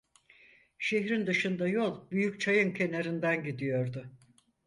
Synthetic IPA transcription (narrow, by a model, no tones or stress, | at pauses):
ʃe̞çɾind̪ɯʃɯnd̪ajo̞lˠbyjyc̚t͡ʃʰajɯncʰe̞neɾind̪ænɟid̪ijo̞ɾd̪ʊ